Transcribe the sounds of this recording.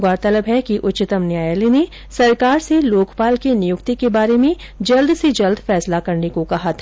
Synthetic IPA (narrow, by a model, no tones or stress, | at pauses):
ɡaːɾt̪ɐləbɦɛkiʔʊtːt͡ʃɪt̪əmnjaːjline | sɐɾkaːɾseloːkpaːlkenɪjʊkt̪ekebaːɾemẽ | d͡ʒɐld̪sed͡ʒɐld̪ʱfɛːslakɐɾnekokɐɦat̪ʰː